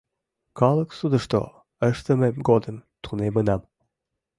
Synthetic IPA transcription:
kɑlˠəksud̪əʃt̪o̰ | əʃt̪əmemɡod̪ənt̪ʰunemənɑm

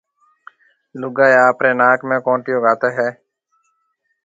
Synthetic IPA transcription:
lʊɡaːeːaːpɾeːnaːkmẽːkõːʈɪjõːɡaːt̪eːɦɛː

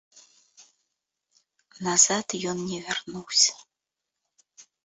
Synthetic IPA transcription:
naz̥at̪jɔnnʲɛvʲɛrnuwsʲ

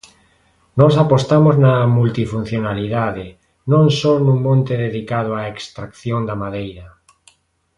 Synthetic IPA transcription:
nɔsapost̪amoznamult̪ifun̟θjonaliðaðe | nõnsonũŋmõnt̪eðeðikaðoaekst̪ɾakθjõnd̪amaðejɾa

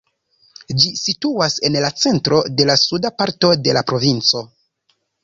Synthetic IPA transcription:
d͡ʒisituase̞nlat͡se̞ntɾo̞de̞lasudapaɾto̞de̞lapɾo̞vint͡so̞

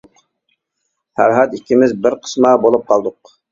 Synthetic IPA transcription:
fæ̰ɾɦɑt̪ikʲːimɪzbɪɾqʰə̥smɑbolˠup̚qʰɑlˠd̪ʊq

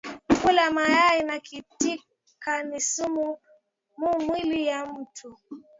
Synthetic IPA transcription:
kulamajainakiti | kanisumu | mumwilijam̩tʰu

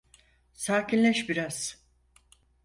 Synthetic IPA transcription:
saːcʰinlʲɛʃbiɾaz̥

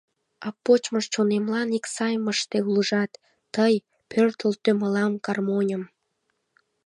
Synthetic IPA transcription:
ɑpːot͡ɕməʃt͡ɕonemlɑniksɑjməʃt̪euləʒɑt̪ː | əj | pørt̪əlt̪øməlɑmkɑrmonʲəm

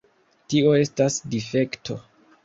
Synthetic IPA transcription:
tio̞e̞stasdife̞ktʰo̞̰

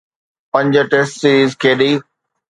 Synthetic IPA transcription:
pɐ̃ɲd͡ʑʈeːsʈsiːɾiːzkʰeːɗiː

